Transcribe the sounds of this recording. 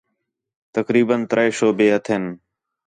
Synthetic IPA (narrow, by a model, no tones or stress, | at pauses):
t̪əkɾiːbənt̪əɾəeːʃoːbeːət̪ʰen